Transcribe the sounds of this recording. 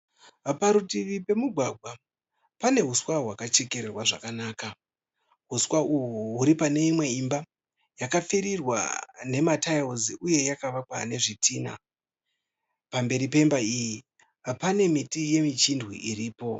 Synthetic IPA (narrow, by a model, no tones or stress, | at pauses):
paɾutiʋipe̞muɡʱwaɡʱwa | pane̞ɦuswaɦwakat͡ʃe̞ke̞ɾerwaʐa̰kanaːka | ɦuswauɦuɦuɾipane̞imwe̞imba | jakap͡fiɾirwa̰ne̞matajoziʔuje̞jakaʋakwane̞ʐitʰiːna̰ | pambe̞ɾipe̞mbaiji | pane̞mitije̞mit͡ʃindwḭʔiɾiːpo̞